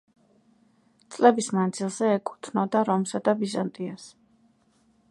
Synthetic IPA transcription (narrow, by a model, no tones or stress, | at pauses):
t̪sʼlɛbismand̪zilˠzɛːkʼu̥t̪ʰnɔd̪aɾɔmsad̪abizant̪ʼias